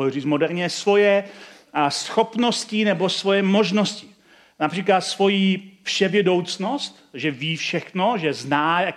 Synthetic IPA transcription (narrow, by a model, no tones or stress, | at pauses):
riːt͡smodɛɾɲɛsvo̞jɛ | sxo̞pnoscɪnɛbo̞svo̞jɛmo̞ʒnoscɪ̥ | napr̝̥iːklat̪svo̞jiːpʂɛvjɛdo̞wt͡snost̪ʒɛviːfʃɛxno̞ʒɛznaːja